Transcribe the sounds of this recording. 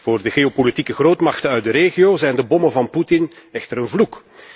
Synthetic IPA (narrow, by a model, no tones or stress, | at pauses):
v̥oːrdəɣeopolitikəɣroːtmɑxtənœɥt̚dəɾeːɣijoːzɛjndəbɔmənvɑnputɪn | ɛxtəɾənvluk